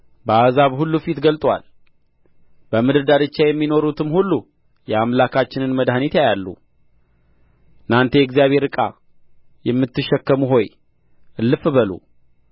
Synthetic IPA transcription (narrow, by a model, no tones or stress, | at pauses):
bəazaβhulːufit̪ɡəlt̪ʼwa̰l | bəmɨd̪ɨɾd̪aɾɨt͡ʃːajɛmːino̞ɾut̪ʰɨmhulːu | jɛamlakʰat͡ʃːɪnɨnməd̪hanit̪jajalːṵ | ɨnant̪ʰe̞ɛɡzijaβhe̞ɾɨkʼa̰ | jɛmːɨt̪ːɨʃːɛkːəmuɦo̞j | ʔɨlːɨfbəlṵ